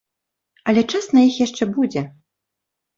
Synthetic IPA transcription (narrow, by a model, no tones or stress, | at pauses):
ɐlʲɛt͡ʂasnɐjixjaʂt͡ʂɛbud͡zʲɛ